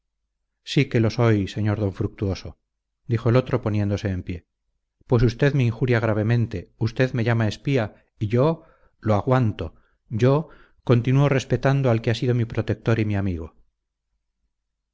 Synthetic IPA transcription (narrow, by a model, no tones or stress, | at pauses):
sike̞lo̞so̞jse̞ɲo̞ɾðo̞ɱfɾuk̚t̪uo̞so̞ | d̪ixo̞e̞lo̞t̪ɾo̞po̞nje̞nd̪o̞se̞ːmpje̞ | pwe̞s̬ust̪e̞ðme̞iŋxuɾjaɣ̞ɾaβ̞e̞mẽ̞nt̪e̞ust̪e̞ðme̞ʝamae̞spia | iʝo̞ | loaɣwant̪o̞ | ɟ͡ʝo̞ | ko̞nt̪inuore̞spe̞t̪and̪oalkeasiðo̞mipɾo̞t̪e̞k̚t̪o̞ɾimiamiɣ̞o̞